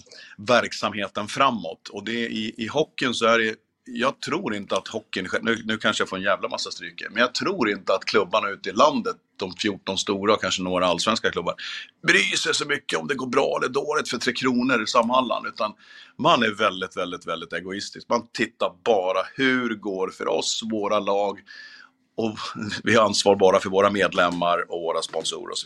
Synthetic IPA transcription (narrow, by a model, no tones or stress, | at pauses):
væɾksamheːt̪ənfɾamːɔ̰t̪ʰɔd̪ɛʔɪʔɪɦɔkːɪnsɔæɖɛ | jɑːɡ̚t̪ʰɾuːɾɪnt̪əat̪hɔkːɪnɧɛnʉːnʉ̟ːkʰanʂəjafoːɾɛnjæːvlama̰sːast̪ɾʏkːə̰mɛnjɑːɡ̚t̪ʰɾuːɾɪnt̪əat̪kʰlɵbːaɳaʉ̟ːt̪ɪland̪ət̪̚d̪̥ɔmfjuːʈɔnst̪uːɾaɔkʰanʂənoːɡɾaalsvɛnskakʰlɵbːa̰ɾbɾyːsɛʂɔmʏkːəɔmd̪ɛɡoːɾbɾɑ̰ːɛlːəɖ̪oːlɪt̪fœʈʰɾeːkʰɾuːnəɾɪsamːanla̰nd̪ʉ̟ːt̪anmanæɾvɛld̪ɪt̪vɛld̪ɪt̪vɛld̪ɪt̪ɛɡʊɪst̪ɪskmant̪ʰɪt̪ːaɾbɑːɾahʉ̟ɾɡoːɾfœ̰ɾʔɔ̰svoːɾalɑːɡ | ɔvɪhaɾansvɑːɾbɑːɾafœɾvoːɾameːd̪lɛmːaɾɔvoːɾaspɔnsṵːɾə̰ɔ̰sɔ